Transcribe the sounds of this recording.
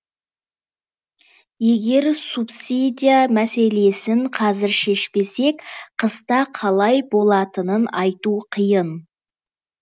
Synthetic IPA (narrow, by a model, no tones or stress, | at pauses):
je̞ɡʲe̞ɾsupsid̪ʲijamæse̞le̞sɪɴqʰɑzɪɾʃe̞ʃpe̞se̞kqʰəst̪ɑqʰɑlˠɑjbo̞lˠɑt̪ənənɑjt̪uqʰəjən